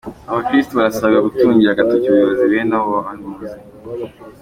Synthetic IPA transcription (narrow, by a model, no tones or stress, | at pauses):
aβakɾistoβaɾasaβɡaɡutuːɲɟiɾaɡatocuβuoβaziwenawoaanuːnze